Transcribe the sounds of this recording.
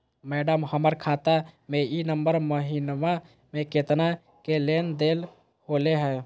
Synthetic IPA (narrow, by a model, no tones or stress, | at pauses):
mɛːɖəmhəməɾkʰaːt̪amẽinəmbəɾməɦinma | mẽket̪na | kelend̪eːl | holeɦɛː